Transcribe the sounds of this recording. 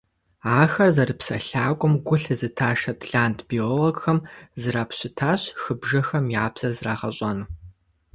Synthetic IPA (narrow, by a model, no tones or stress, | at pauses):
aːxɐrzɐrɨpsɐ̰ɬaːkʷʼʊmɡʷʊɬɨzɨtʰaːʂɐtɮaːntʰb̥ioloɡxɐmzɨɾaːpɕɪtʰaːɕxɨbʒɐxɐmiaːbz̥ɐrzɨraːʁɐɕʼɐnɨ